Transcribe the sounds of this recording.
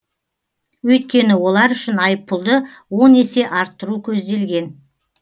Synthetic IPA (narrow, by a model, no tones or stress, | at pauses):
wɵjt̪̚kʲe̞nɪwo̞lˠɑɾʏʃɪnɑjəpʰːʊlˠd̪ə | wo̞ne̞se̞ʔɑɾt̪ːəɾukʲʰɵzd̪e̞lɡʲe̞n